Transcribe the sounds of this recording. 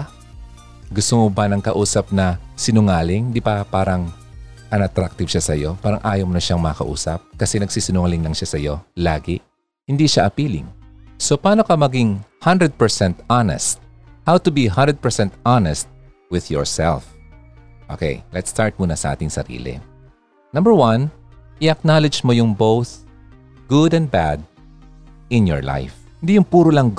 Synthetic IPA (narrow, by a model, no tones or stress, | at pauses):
ɡʊst̪oŋobɐnɐŋkɐʔuːsɐp̚nɐsɪnʊŋaːlɪŋd̪ɪbapaːɾɐŋ | ʔɐnɐt̪ɾak̚t̪ɪvʃasɐjo̞paːɾɐŋʔaːjomnɐʃaŋmɐɐkɐʔṵːsɐp̚kɐsɛnɐɡ̚siːsɪnʊŋalɪŋlɐŋʃasɐjo̞laːɡɪʔ | hɪnd̪iʃaʔɐpiːlɪ̰ŋso̞paːno̞kɐmɐɡiŋhɐ̃nd̪ɾɛd̪̚pɛɹsɛnt̪anɛ̰st̪̚ | hawt̪ʊbiɦɐ̃nd̪ɹɛd̪̚pɛ˞sɛ̃nt̪anɛst̪̚ | wɪðjɔ̰ɹsɛ̰lf | ʔo̰kɛ̰jlɛt̪st̪aɹt̪̚muːnɐsɐʔa̰ːt̪ɪŋsɐ̰ɾḭːlɪ̰ | nɐ̃mbəɹwɐ̃n | ʔɪʔɐk̚nalɪd͡ʒmojʊŋbowθ | ɡ̥ʊd̪ɛ̃n̚bad̪̚ | ʔɪ̃njɔ̰ɹla̰jf | hɪnd̪ijʊŋpuːɾolɐŋ